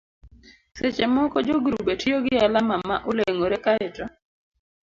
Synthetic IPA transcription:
set͡ʃɛmɔkɔd͡ʒoɡɾubetijoɡɪalamamaʔoleŋoɾɛkaɛtɔ

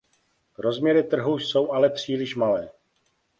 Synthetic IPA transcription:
ɾo̞zmɲɛɾɪt̪r̩ɦuso̞wʔalɛpr̝̥iːlɪʃmalɛː

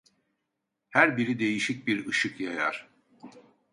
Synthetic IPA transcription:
hæɾbiɾid̪e̞jiʃic̚biɾɯʃɯkjaja̰ɾ̥

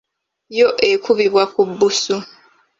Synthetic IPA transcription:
jo̞ʔe̞kuβiβwakubːusu

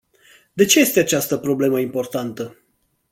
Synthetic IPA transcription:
d̪e̞t͡ʃe̞je̞st̪eat͡ʃast̪əpɾo̞ble̞məimpo̞rt̪ant̪ə

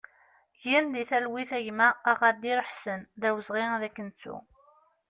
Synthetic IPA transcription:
ʝinðiθælwiθæʝmæːʁɑd̪iɾəħsənðæwəzʁiðækːənt͡sːṵ

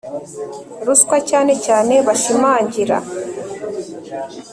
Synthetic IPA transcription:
ɾuskwacaːne̞caːne̞βaʃimaːɲɟiɾa̰

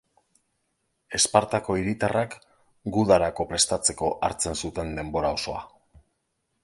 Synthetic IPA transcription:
e̞spaɾt̪ako̞iɾit̪arak | ɡuðaɾako̞pɾe̞st̪at͡se̞ko̞ʔaɾt͡se̞nsut̪e̞nd̪e̞mbo̞ɾao̞so̞a

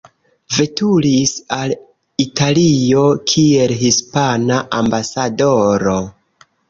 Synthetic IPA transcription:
ve̞tulisal | italio̞kʰie̞lɦispanaʔambasado̞ɾo̞

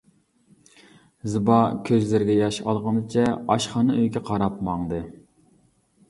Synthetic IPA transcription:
zɨbɑkʲʰøzlɪɾɡʲɛjɑʃɑ̰lˠʁɑnd̪ɨt͡ʃʰɛɑʃχɑːnɨøjkʲɛqʰɑɾɑpmɑŋd̪ɨ

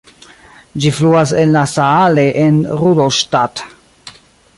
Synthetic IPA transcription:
d͡ʒifluas̬enlasaale̞ʔenɾudoʃtat

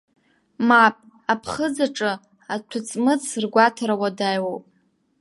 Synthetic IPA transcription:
mapʼ | apʰχəd͡zaʈ͡ʂʼɨ | atʷʰʊt͡sʼmɨt͡sʰrɡʷatʰaɾawadajwowpʼ

